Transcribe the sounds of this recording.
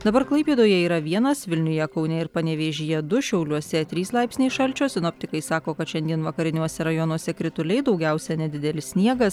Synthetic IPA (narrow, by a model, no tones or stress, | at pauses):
d̪ɐbɐɾklˠɐɪpʲiːd̪oːjɛiːɾɐʋʲiɛnɐsʋʲɪlʲnʲʊjɛkɐʊnʲɛɪɾpɐnʲɛʋʲeːʒʲɪjɛd̪ʊʃʲɛʊlʲuɔsʲɛt̪ʲɾʲiːslˠɑɪpsnʲɛɪʃɐlʲt͡ʃʲoːsʲɪnoːp̚ʲt̪ʲɪkɐɪsɑːkoːkɐt̪ʃʲɛnʲd̪ʲiɛnʋɐkɐɾʲɪnʲuɔsʲɛɾɐjoːnuɔsʲɛkɾʲɪt̪ʊlʲɛɪd̪ɒʊɡʲɛʊsʲɛnʲɛd̪ʲɪd̪ʲɛlʲɪssʲnʲiɛɡɐs